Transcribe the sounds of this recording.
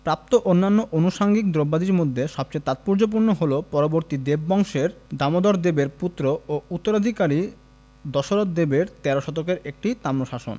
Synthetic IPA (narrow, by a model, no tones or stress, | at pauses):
pɾap̚t̪oʔonːanːoʔonuʃaŋɡik̚d̪ɾobːad̪iɾmod̪ʱːeʃɔb̚t͡ɕaet̪at̪̚puɾd͡ʑop̬uɾnoɦolopɔɾoboɾt̪id̪ebːɔŋʃeɾd̪amod̪ɔɾd̪ebeɾput̪ːɾoout̪ːoɾad̪ʱikaɾi | d̪ɔʃoɾot̪̚d̪ebeɾt̪ɛɾoʃɔt̪okeɾek̚ʈit̪amnoʃaʃo̰n